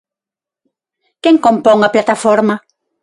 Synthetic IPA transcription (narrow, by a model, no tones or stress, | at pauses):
keŋkompɔŋɐplat̪afɔɾmɐ